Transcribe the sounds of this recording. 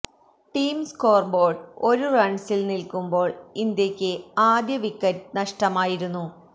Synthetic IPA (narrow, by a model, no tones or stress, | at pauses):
ʈiːmsko̞ːrbo̞ːɖo̞ɾurɐɳsilnilkumbo̞ːɭind̪jɐkʲːɨaːd̪jɐʋikːɐtnɐʂʈɐmaːjiɾunːu